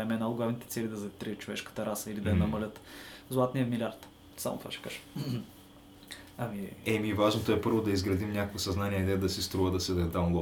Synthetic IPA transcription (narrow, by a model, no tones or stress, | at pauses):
ɛmɛnalˠʊɡlˠavnit̪ɛt̪sɛlid̪ɐzɐt̪ɾiət̪t͡ʃovɛʃkə̥t̪əɾasəilid̪ɐɛnɐmɐlʲət̪zlˠat̪niəmilʲaɾt̪ | sa̰mʊ̰t̪v̥a̰ʃɛ̥ka̰ʒ̥ | ɐmiɛmivaʒnot̪ɔɛpɤɾvod̪ɐizɡɾɐd̪imnʲakəkvisɐznaniɛd̪ɛd̪ɐsist̪ɾuvəd̪ɐsɛzɛd̪aɡˠɔ